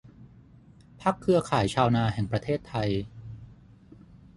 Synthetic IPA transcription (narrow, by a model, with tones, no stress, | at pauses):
pʰa˦˥˩kʰːɯ˧ɐkʰaː˩˦jt͡ɕʰaː˧wnaː˧ɦɛ˨˩ŋpɾa˧t̪ʰeː˥˩t̪ʰːa˧j